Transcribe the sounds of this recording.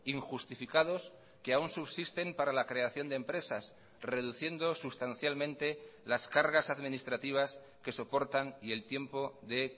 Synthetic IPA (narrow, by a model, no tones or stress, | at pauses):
iŋxust̪ifikaðo̞s | keaunsuβsist̪e̞mpaɾalakɾe̞aθjo̞nd̪empɾe̞sas | re̞ðuθje̞nd̪o̞sust̪an̟θjalmẽ̞nt̪e̞laskaɾɣasaðmĩnist̪ɾat̪iβ̞as | ke̞so̞po̞ɾt̪anie̞lt̪je̞mpo̞ðe̞